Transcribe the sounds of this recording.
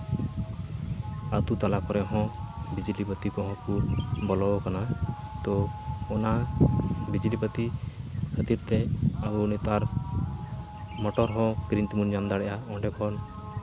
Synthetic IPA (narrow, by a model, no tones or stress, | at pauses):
at̪ut̪alakɔɾɛɦɔ̃bid͡ʒilipət̪ikɔɦɔ̃kubɔlɔkanat̪ɔɔna | bid͡ʒilipət̪ihət̪iɾt̪ɛabunit̪aɾ | mɔʈɔɾɦɔ̃kɾint̪imund͡ʒamd̪aɽɛʔaɔ̃ɖɛkʰɔn